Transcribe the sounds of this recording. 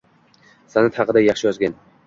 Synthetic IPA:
sanat̪hɑqɨd̪ajɑχʃɪjɒzɡʲan

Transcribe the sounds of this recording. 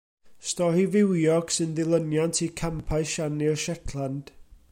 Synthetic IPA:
stɔɾivɪwjɔksɪnðɪlˠənjantʰikʰampʰajʃanirʃɛkʰlˠand̥

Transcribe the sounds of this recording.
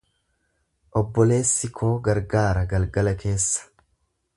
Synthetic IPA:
ʔɔbːɔle̞ːsːɪkʰo̞ːɡɐɾɡaːɾɐɡɐlɡɐlɐke̞ːsːɐ̥

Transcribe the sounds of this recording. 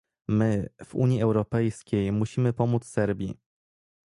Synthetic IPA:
mɘv̥ṵɲjiɛwɾɔpɛjskʲejmuɕimɘpɔmut̪ssɛɾbʲḭ

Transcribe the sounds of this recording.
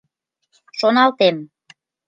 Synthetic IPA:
ʃonɑlt̪em

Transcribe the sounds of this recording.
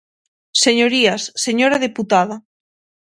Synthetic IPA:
seɲoɾiasːeɲoɾaðeput̪að̞a

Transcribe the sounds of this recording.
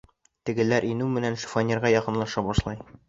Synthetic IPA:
t̪ɘ̆ɡɘ̆læɾʔinʉmɘ̆nænʃu̥fonʲiɾʁɑjɒqɤ̆nlˠɑʃɑbɒʃlˠɑj

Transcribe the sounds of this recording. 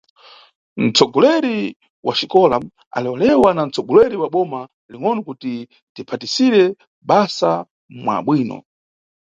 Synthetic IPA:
n̩t͡sʰɔɡɔlɛɾi | wʔaʃikɔla | a̰lɛwɔlɛwanan̩t͡sɔɡɔlɛɾiwaɓɔma | liŋɔnakuti | dipʰatisiɾɛ | ɓasa | mwa̰ɓwiːnɔ̰

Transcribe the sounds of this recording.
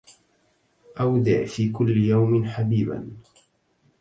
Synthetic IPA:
ʔawd̪ɪ̰ʕfiːkʊlːɪjawmɪnħabiːba̰n

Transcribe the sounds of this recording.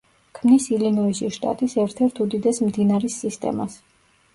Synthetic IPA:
kʰmnisilinɔiʃiʃt̪ʼa̰t̪ʼisɛɾt̪ʰɛɾt̪ʰud̪id̪ɛsmd̪inaɾisːist̪ʼɛ̰mas

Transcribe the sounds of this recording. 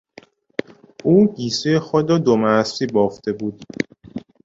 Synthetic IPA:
uːɡiːsejexod̪ɾɔːd̪omæsiːbɔːft̪ebuːd̪

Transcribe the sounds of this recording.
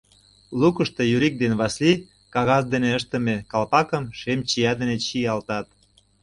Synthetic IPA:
lukəʃt̪ejyɾik̚d̪enβɑsli | kɑɣɑzd̪eneəʃt̪ə̆mekɑlpɑkəmʃemt͡ɕijɑd̪enet͡ɕiɑlt̪ɑt̪̚

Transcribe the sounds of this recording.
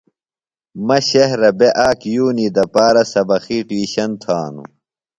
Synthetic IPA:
mɐɕehɾɐbeʔaːkjuːniːd̪ɐpaːɾɐsɐbɐxiːʈiːɕɐnt̪ʰaːnṵ

